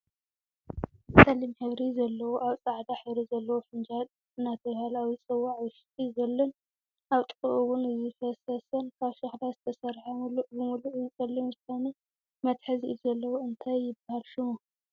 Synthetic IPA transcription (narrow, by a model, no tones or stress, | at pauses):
sʼɐlimħɨβɾizɐlːɐwoʔaβsʼaʕd̪aħɨβɾizɐlːɐwofɨnd͡ʒal | ɨnːat̪ʰɐβhalawisʼɐwːaʕwɨʃt̪ʼizɐlːɐn | ʔaβt̪ʼɨkʼɨʔuwʊnɨzɨfɐsɐsɐnkʰaβʃɐxlazɨt̪ʰɐsɐɾħamuluʔbɨmuluʔɨt͡sʼɐlːimɨst̪anɐ | mɐt̪ħɨziʔilzɐlːɐwoɨnt̪ʰajːɪbːahalʃɪmu